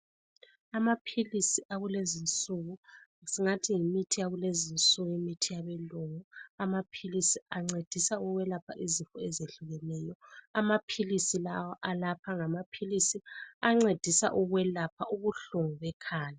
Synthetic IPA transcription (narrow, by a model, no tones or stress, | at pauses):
amapʰilisiʔaɣulezint͡sʼuɣusiŋatʰiŋimitʰijaɣulezint͡sʼuɣujimitʰijaβɛluŋuamapʰilisiaŋ͡ǀed̥ʱisauɣwɛlapʰa̰ʔizifɔɛzeɬuɣɛnɛːjɔamapʰilisilawɔʔalapʰaŋamapʰilisiaŋ͡ǀed̥ʱisa̰ʔuɣwɛlapʰauɣuɬuŋuβɛkʰaːja